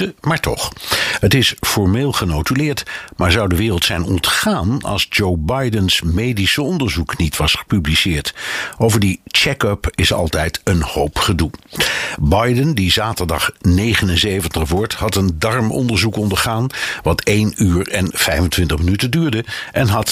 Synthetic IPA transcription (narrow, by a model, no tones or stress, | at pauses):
əmaːɹtɔ̰χətɪsfɔɹmeːlˠχənowtylɪːɹtmaːɹzɑwdəʋɪːrəlˠtsɛjnɔ̰ntχaːnɑ̰lˠzd͡ʒowbɑjdənsmejdisəɔndəɹzuknitʋɑsχə̥pyblisɪːɹtowvəɹdit͡ʃɛkœpɪsɑ̰lˠtɛjtənhowpχədu | bɑjdəndizaːtəɹdɑ̰χnejχənənzejvəntəχʋɔɹthɑtəndɑɹmɔ̰ndəɹzukɔndəɹχaːnʋɑtʰejnyːɹɛnv̥ɛjfəntʋɪntəχmənytədyːɹdəʔɛnɦɑt